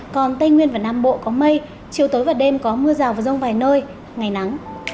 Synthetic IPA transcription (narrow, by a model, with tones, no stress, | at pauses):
kɔ˨˩nt̪a˧jŋwi˧ənvaː˨˩naː˧mɓo̰˧˨kɔ˨˦mə˧j | t͡ɕi˨˩əwt̪oː˨˦jvaː˨˩ɗe˧mkɔ˨˦mɨ˧əzaː˨˩wvaː˨˩zə˧wŋ͡mvaː˨˩jnəː˧j | ŋa˨˩jna˨˦ŋ